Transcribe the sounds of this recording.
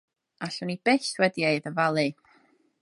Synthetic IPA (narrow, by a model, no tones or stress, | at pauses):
aɬʊnib̥ɛswɛdieɨðəvalˠɨ